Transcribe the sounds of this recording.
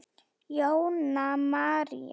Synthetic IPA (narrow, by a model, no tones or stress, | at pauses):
iawnamaɾi